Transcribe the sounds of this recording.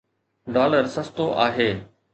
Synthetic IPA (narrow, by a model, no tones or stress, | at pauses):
ɖaːləɾsəst̪oʔaːɦeː